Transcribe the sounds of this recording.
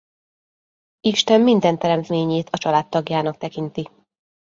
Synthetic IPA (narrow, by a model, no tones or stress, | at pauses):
iʃt̪ɛmːind̪ɛnt̪ɛɾɛmt̪meːɲeːt̪ʰɒt͡ʃɒlaːt̪ːɒɡjaːnɒk̚t̪ɛkint̪i